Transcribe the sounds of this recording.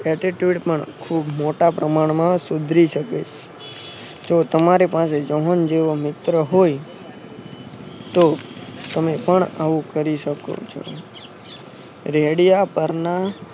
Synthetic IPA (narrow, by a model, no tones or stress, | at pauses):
ɛʈiʈjuɖpəɳkʰubmoʈapɾəmaɳ̃mãsʊd̪ʱɾiʃəkḛt͡ʃʰ | d͡ʒot̪əmaɾepased͡ʒɔɦənd͡ʒeʋomɪt̪ɾəɦoj | t̪ot̪əmepəɳaʋũkəɾiʃəko̰t͡ʃʰo̰ | ɾeɽijapəɾna